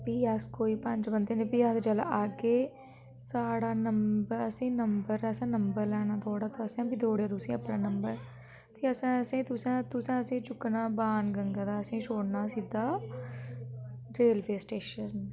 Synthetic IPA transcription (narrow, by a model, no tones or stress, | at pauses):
piːəskoːiːpəɲt͡ʃbənd̪eːneːpiːəsd͡ʒəla̰aːkeː | saːɽaːnəmbəɾəsĩːnəmbəɾɛːsãːnəmbəɾlɛːñaːt̪ʰoːɽaːt̪aəsɛ̃ːbiːd̪ʰoːɽjaːd̪ʊsĩːəpɳaːnəmbəɾ | p̪eːəsãːəsẽːt̪ʊsɛ̃ːt̪ʊsãːəsẽːt͡ʃʊknaːbaːnɡəŋɡaːd̪aːəsĩːt͡ʃoːɽnaːsiːd̪aː | ɾeːlʋeːsʈeːʃən